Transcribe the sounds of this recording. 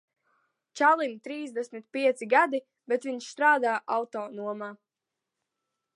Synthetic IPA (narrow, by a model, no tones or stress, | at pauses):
t͡ʃalˠint̪ɾiːzd̪ɛsmit̪̚piɛt̪siɡad̪i | bɛt̪ʋiɲʃst̪ɾaːd̪aːʔawt̪ɔːnuɔmaː